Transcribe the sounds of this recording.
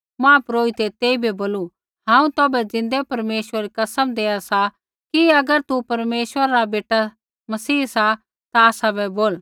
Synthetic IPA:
mãːpɾoːit̪et̪eːibɛboːlu | ɦãːũt̪oːbɛd͡zɪ̃nd̪ɛpɐɾmeːʃwəɾikɐsəmd̪eːasa | kiɐɡəɾt̪upɐɾmeːʃwəɾaɾabeːʈa | mɐsiːsa | t̪aːsabɛboːl

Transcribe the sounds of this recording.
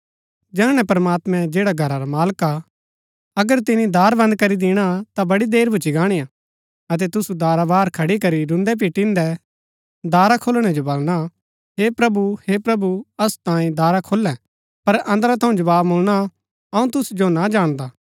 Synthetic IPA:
d͡ʒɛːɽ̃ɛ̃pɐɾmaːt̪mɛ̃d͡ʒeːɽaɡʱɐɾaɾamaːlka | ɐɡəɾt̪ɪnid̪aːɾbɐ̃nd̪̚kɐɾid̪ɪɽ̃at̪abɐɽid̪eːɾbʱʊt͡ʃiɡaːɽ̃ija | ɐt̪̬ɛt̪ʊsud̪aːɾabaːɾkʰɐɽikɐɾiɾʊ̃nd̪ɛp̬iʈɪ̃nd̪ɛ | d̪aːɾakʰolɽ̃ɛd͡ʒobɐlɽ̃a | ɦepɾɐbuhepɾɐbuɐst̪ãːĩd̪aːɾakʰolɛ̃ | pɐɾɐ̃nd̪əɾat̪ʰɐ̃ũd͡ʒɐbaːbmʊlɽ̃a | ɐũt̪ʊsd͡ʒonad͡ʒaːɽ̃d̪aː

